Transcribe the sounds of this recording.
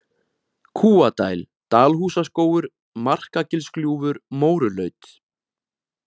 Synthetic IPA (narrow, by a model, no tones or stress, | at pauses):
kʰuːat̪a̰ːjl | t̪aːlɦuːsaskoːwʏɾ | mar̥kacɪlskljuːvʏɾmoːwɾʏlœːɥt̪